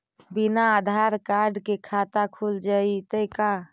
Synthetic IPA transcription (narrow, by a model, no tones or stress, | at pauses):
binaːd̪ʱaɾkaɾɖkekʰat̪akʰuld͡ʒait̪əjka